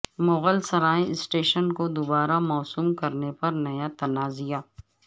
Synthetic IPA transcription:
mʊɣəlsɐɾaːĩsʈeːʃənkod̪ʊbaːɾamɔːsuːmkɐɾnepɐɾnɐjat̪ɐnaːzijaː

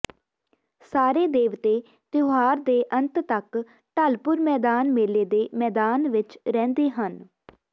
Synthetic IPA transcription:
saːɾeːd̪eːʋt̪eː | t̪joɦaːɾd̪eːʔənt̪t̪ək | ʈəlpʊɾmɛːd̪aːnmeːleːd̪eːmɛːd̪aːnʋɪt͡ʃɾɛ̃ːnd̪eːɦən

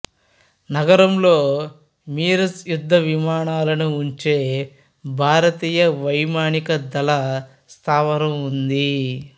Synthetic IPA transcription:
nɐɡɐɾɐmlo̞ː | miːɾɐsjud̪ʱːɐʋimaːɳaːlɐnuːɲt͡ʃe̞ː | bʱaːɾɐt̪iːjɐʋɐjmaːɳikɐd̪ɐlɐ | st̪ʰaːʋɐɾɐmund̪i

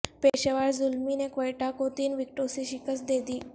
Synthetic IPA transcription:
peɕeʋaɽd͡zulminekʋəjʈakot̪iːnʋik̚ʈosiɕikəsd̪ed̪iː

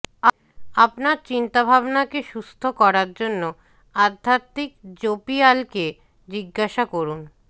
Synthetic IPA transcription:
a | apnaɾt͡ɕint̪abʱabnakeʃust̪ʰokɔɾaɾd͡ʑonːo | ad̪ʱat̪ːikd͡ʑopialke | d͡ʑiɡːaʃakoɾun

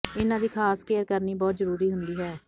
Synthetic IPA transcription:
ɪnãːd̪iːkʰaːskeːəɾkəɾniːbɔːt̪zəɾuːɾiːɦʊ̃nd̪iːɦɛː

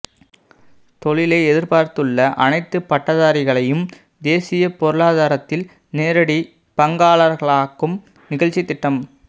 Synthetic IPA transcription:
t̪ɔɭɪleːɛðɪɾpaːɾt̪ɯɭːɐʔɐ̰nɐɪt̪ːɯpːɐʈːɐðaːɾɪɣɐɭɐjɯm | d̪eːsɪjɐpɔɾɯɭaːðaːɾɐt̪ːɪl | neːɾɐɽi | pɐŋɡaːɭɐɾɣɐɭaːkːɯm | nɪɣɐɭt͡ʃːɪt̪ːɪʈːɐm

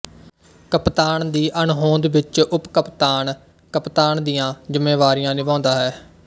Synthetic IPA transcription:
kəpt̪aːɳd̪iːʔəɳɦõːnd̪ʋɪt͡ʃʊpkəpt̪aːɳ | kəpt̪aːɳd̪ijãːd͡ʒʊmeːʋaːɾijãːnɪbãːnd̪aːɦɛː

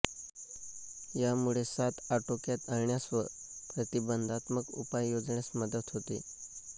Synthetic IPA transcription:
jamuɭesat̪aʈokjat̪əɾɳjasʋə | pɾət̪ibənd̪ʱat̪məkṵpajːod͡zɳjasməd̪ət̪ɦot̪ḭ

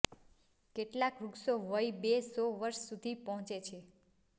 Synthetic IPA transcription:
keʈlakɾuksoʋəjbesɔʋəɾʃsud̪ʱipɔɦɔ̃t͡ʃet͡ʃʰe

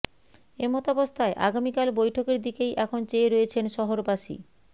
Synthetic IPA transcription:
emɔt̪abost̪ʰaeʔa̰ɡamikalbojʈʰokeɾd̪ikejʔɛkʰont͡ɕeːɾoet͡ɕʰenʃɔɦoɾbaʃḭ

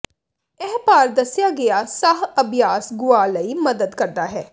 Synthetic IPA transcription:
ɛːpaːɾd̪əsɪjaːɡɪaːsaɦəbʱjaːsɡʊaːləiːməd̪əd̪kəɾd̪aːɦɛː

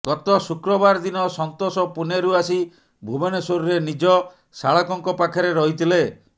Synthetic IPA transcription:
kɔt̪ɔsukɾɔbaɾd̪inɔsɔnt̪osɔpuneɾuasi | bʱubenesoɾuɾenid͡ʒɔ | saɭɔkɔŋkɔpakʰɔɾeɾɔɦit̪ʰile

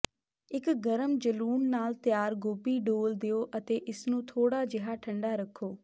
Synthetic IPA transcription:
ɪkɡəɾəmd͡ʒəluːmnaːlt̪jaːɾɡoːbiːɖoːld̪eoːʔət̪eːʔɪsnũːt̪ʰoːɽaːd͡ʒɪɦaːʈʰəɳɖaːɾəkʰːoː

